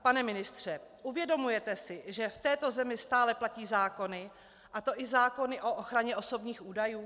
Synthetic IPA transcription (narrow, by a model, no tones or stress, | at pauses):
panɛmɪnɪst̪r̝̥ɛʔuvjɛdo̞mujɛt̪ɛsɪʒɛft̪ɛːt̪o̞zɛmɪst̪aːlɛplaciːzaːko̞nɪ | ʔat̪o̞ʔɪzaːko̞nɪʔo̞ʔoxɾaɲɛʔo̞so̞bɲiːxʔuːdajuː